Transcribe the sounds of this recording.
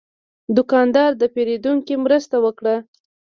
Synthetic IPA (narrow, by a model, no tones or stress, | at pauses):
d̪ʊkɑnd̪ɑɾd̪əpeɾed̪uŋkimɾəst̪awəkɽa